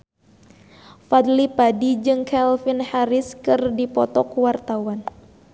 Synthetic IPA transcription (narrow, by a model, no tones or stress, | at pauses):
fad̪lipadid͡ʒɨŋkʰɛlfinhaɾɪskɨrdipɔt̪ɔkwart̪awan